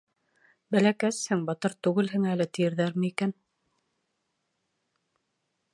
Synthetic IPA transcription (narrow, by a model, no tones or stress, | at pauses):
bælækæshɘŋbɑt̪ɤɾt̪ʉɣɘlɦɘŋælɘt̪ĭjɘ̆ɾðæɾmɘikæn